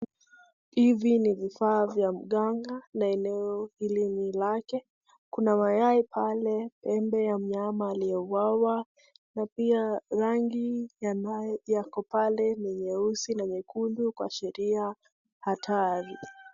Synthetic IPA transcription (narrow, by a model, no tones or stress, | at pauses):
hivinivifaːvjam̩ɠaŋɡanaɛnɛɔhilinilakɛ | kunamajaipʰalɛpɛmbɛjam̩ɲamaːlijɛuwawa | napiaɾaŋɡi | jakɔpalɛniɲɛusinaɲɛkundukwa̰ʃɛɾia | hatʰaɾi